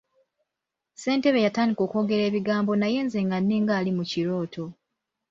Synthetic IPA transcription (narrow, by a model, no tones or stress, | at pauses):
se̞ːnte̞βe̞jataːndiko̞ːko̞ːɡe̞ɾe̞ːβiɡaːmbo̞naje̞ːnze̞ŋɡanːeːŋɡaːlimuciɾo̞ːtʰo̞